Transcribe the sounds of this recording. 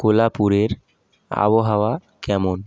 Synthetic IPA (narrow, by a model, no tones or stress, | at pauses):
kolapuɾeɾ | a̰bɔɦawa | kɛmon